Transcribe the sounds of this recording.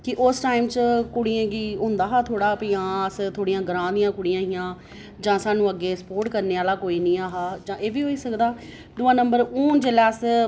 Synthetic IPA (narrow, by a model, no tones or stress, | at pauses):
kɪʔʊsʈaːɪmt͡ʃkʊɽiːãːɡiːõːnd̪aːɦaːt̪ʰoːɽaːpɪːãːəst̪ʰoːɽijãːɡəɾãːd̪ijãːkʊɽɪjãːɦɪjãː | d͡ʒãːsaːnũːəɡːeːsə̥poːɾʈkəɾneːaːlaːkoːiːnĩːaːɦaːd͡ʒãːʔeːʋiːɦoːiːsəkd̪aː | d̪ʊːãːnəmbəɾuːnd͡ʒeːlaːs